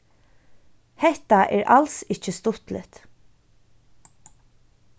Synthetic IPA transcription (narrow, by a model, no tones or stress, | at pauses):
hɛht̪aʔɛ̰ːɹʔalsɪt͡ʃəst̪ʊht̪lɪ̰t̪